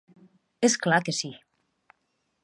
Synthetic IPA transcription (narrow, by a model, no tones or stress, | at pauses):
esklakəsi